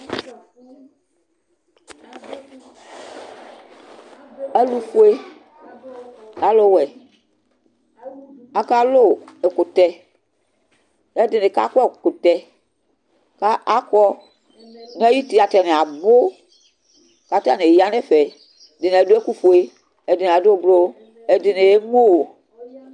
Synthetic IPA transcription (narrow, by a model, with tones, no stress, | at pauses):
ɛ˦lu˦fo˦e˦ | a˨˦lo˦wɛ˨ | a˨ka˦lo˦˨ɛ˨kʊ˨tɛ˨ | ɛ˦dɪ˨ne˨ka̰˦kɛ˦˨ko˨tɛ˨ | ka˦ʔa˦kɔ˦ | n˦ɛ˦ji˦ti˦a˨tɛ˨ne˨a˨bo˦ | ka˨˦ta˦˨ne˨ja˦nɛ˦fɛ˨ | dɪ˨n˨ɛ˨do˦e˦ku˦fo˨e˨ | ɛ˨dɪ˨n˨a˨do˦˨ɡ͡blo˦ | ɛ˨dɪ˨ne˨e˦mo˦wo˨